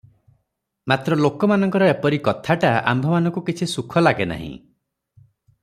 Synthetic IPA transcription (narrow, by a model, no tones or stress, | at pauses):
mat̪ɾɔlokɔmanɔŋkɔɾɔepɔɾikɔt̪ʰaʈaa̰mbʱɔmanɔŋkukit͡ʃʰisukʰɔlaɡena̰ɦḭ̃